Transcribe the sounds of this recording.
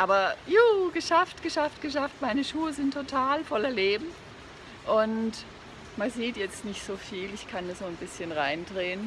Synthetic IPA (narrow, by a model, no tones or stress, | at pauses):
ʔaːbɐjuːɡ̥əʃaftɡ̥əʃaftɡ̥əʃaftmaɪnəʃuːəzɪntʰːotʰaːlfɔlɐleːbm̩ | ʔʊnt | manziːtjɛt͡stnɪçtz̥oːfiːlɪçkʰandazoːnbɪsçənʁaɪndʁeːən